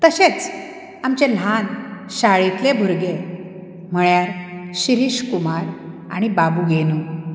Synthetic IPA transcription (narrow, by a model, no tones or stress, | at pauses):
t̪əɕet͡s | amt͡ɕel̤anɕaɭit̪lebʱuɾɡe | m̤əɭjaɾɕiɾiɕkumaɾ | a̰ɽ̃ibabuɡenu